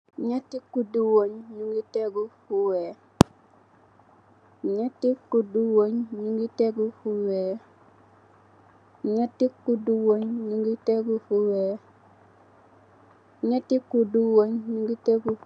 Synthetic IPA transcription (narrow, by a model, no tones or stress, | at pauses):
ɲatikːuduwoɲɲuŋɡiteɡufuwe | ɲatikːuduwoɲɲuŋɡiteɡufuwe | ɲatikːuduwoɲɲuŋɡiteɡufuwe | ɲatikːuduwoɲɲuŋɡiteɡu